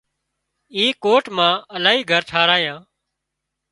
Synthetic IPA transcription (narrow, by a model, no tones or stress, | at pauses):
iːkoːʈmãːəlaːɦiːɡʱəɾʈʰaːɾaːjãː